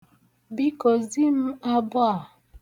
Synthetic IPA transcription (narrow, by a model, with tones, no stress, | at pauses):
bi˦ko˨zi˦m̩˦a˦bwa˦˨